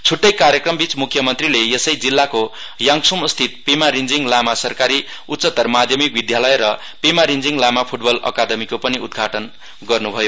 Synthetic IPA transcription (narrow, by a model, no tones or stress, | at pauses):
t͡sʰuʈːʌjkaɾjekrʌmbit͡smukʰjʌmʌnt̪rilejesʌjd͡zilːako | jʌŋksumʌst̪ʰit̪̚pimaɾind͡ziŋlamasʌrkaɾi | ut̪sʌt̪ːʌrmad̪ʱjʌmikbid̪jalʌjɾʌ | pemaɾind͡ziŋlamapʰuʈbʌlʌ̰kad̪ʌmikopʌniud̪̚ɡʱaʈʌn | ɡʌrnubʱʌjo